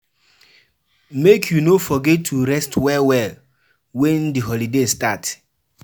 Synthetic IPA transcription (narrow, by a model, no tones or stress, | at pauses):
mekʰjunofɔɡɛttʰːuɾɛstwɛwɛl | wɛ̃ndiɦɔlidestat